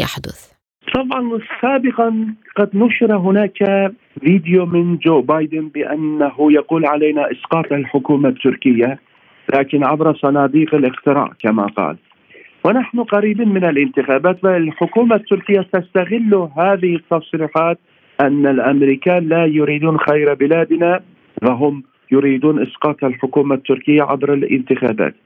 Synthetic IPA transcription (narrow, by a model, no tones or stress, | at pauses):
jaħd̪ʊθ | t̪ˤɑbʕɑnsaːbɪqɑqɑd̪nʊʃɾˤɑɦʊnaːkaa | viːd̪ɪjomɪnd͡ʒoːbaːjd̪ɪnbɪʔa̰nːaɦʊjɑquːlʕalajnaʔɪsqɑːt̪ˤalħʊkuːmat̪ːʊɾkɪjːa | laːkɪnʕabɾɑsˤɑnɑːd̪iːqɪlʔɪxt̪ɪɾa̰ːʔkama̰qɑ̰ːl | wɪnaħnʊqɑɾiːbiːnmɪnɪlʔɪnt̪ɪxaːbaːt̪falħʊkuːmat̪ːʊɾkɪjːat̪ast̪aɣɪlːuɦaːðɪhɪt̪ːɑsˤɾiːħaːt̪̚ | ʔanːalʔamɾiːkaːlajʊɾiːd̪uːnxajɾbɪlaːd̪na | faɦʊm | jʊɾiːd̪uːnʔɪsqɑːt̪ˤalħʊkuːmat̪ːʊɾkɪjːaʕa̰bɾɪlʔɪ̰nt̪ɪxa̰ːba̰ːt̪